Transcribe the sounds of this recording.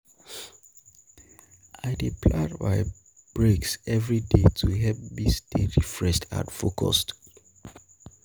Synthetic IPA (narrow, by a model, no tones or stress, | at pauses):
aɪdipʰladma̰ɪ | b̥ɹeksɛvɹidetʰuɦɛp̚ðisd̥eɹifɹɛʃtʰa̰tfokʰɔ̰st